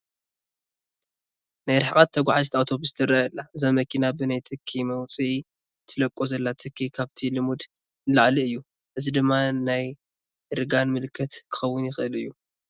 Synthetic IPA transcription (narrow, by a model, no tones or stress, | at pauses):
najɾɨħkʼat̪ʰːɐɡʷaʕazt̪iawt̪ʰo̞bɨst̪ʰɨɾɐlːaɨzamɐkʰinabɨnajt̪ʰɨkʰːimɐwt͡sʼi | t̪ʰɨlɐkʼːozɐlːat̪ʰɨkʰːikʰaβt̪ʰilɨmud̪ | laʕliɨjːu | ʔɨzid̪ɨmːanaj | ɾɨɡanmɨlɨkʰːɐt̪kʰɨ̥xɐwːʊnjɪxɨʔɨlɨjːu